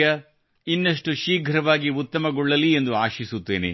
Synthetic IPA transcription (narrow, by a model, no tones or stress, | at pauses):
ɐ | inːɐʂʈuʃiːɡʱɐɾɐʋaːɡiut̪ːɐmɐɡɔɭːɐlie̞nd̪uaːʃisut̪ːe̞ːnḛ